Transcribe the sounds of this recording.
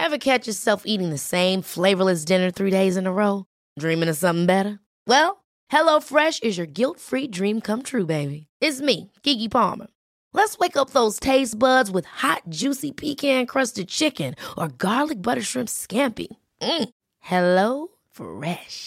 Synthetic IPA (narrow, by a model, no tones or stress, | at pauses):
ɛvəkʰæt͡ʃə˞sɛlˠfiɾɪ̃ŋðɨsẽɪ̃ɱfleɪvə˞lɨs̬d̥ɪ̃nə˞θɹideɪzɨ̃nəɹoʊ | dɹĩmɪ̃ŋɨzsʌ̃mθɪ̃ŋbɛɾə˞ | wɛlˠ | hɛloʊfɹɛʃɨzjə˞ɡɪlˠtfɹidɹĩmkʰʌ̃mt̪ʰɹʉbeɪbiɪtsmiɡ̥iɡipʰɑ̰ɹmə̰˞ | lətsweɪkʌp̚ðoʊz̥tʰeɪsb̥ʌdzwəð̥hɑt̚d̥ʒ̥ʉsipʰikʰæ̃nkʰɹ̥ʌstɨd̚t͡ʃʰɪkɨ̃nʔə˞ɡɑɹdlɨk̚b̥ʌɾə˞ʃɹ̥ɪ̃mpskæ̃mpḭ | m̩ | hɛloʊ | fɹɛʃ